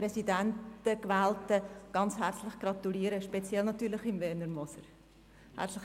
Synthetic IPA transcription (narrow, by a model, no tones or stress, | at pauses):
pɾɛsidæntəkʋæːltəɡ̥ɑnt͡sɦæɾt͡slɪχɡ̥ɾɑt̪uliəɾəʃpɛt͡sjɛlnɑt̪yːɾlɪχɪmvɛːnəɾmɔsəɾ | hæ̰ɾt͡slɪx